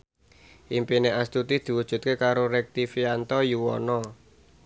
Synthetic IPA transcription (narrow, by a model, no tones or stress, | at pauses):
ʔimpineʔast̪ut̪id̪̥i̤wud̥ʒ̥ṳt̪̚kekaɾoɾɛk̚t̪ifiant̪ɔjuwɔ̰nɔ